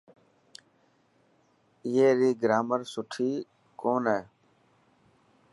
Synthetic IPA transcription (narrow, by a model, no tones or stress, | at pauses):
ɪjeːɾiːɡəɾaːməɾsʊʈʰiː | koːneː